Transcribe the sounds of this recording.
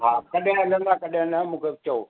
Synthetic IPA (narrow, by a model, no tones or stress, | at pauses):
ɦaːkɐɗãɐlə̃nd̪akɐɗẽnɐmũːkʰebt͡ɕɐo